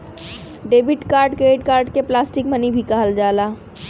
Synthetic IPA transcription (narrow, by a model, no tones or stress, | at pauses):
ɖeːbɪʈkaːɾɖkeːʈkaːɾɖkeplaːsʈɪkmənibʱikaɦəld͡ʒaːlaː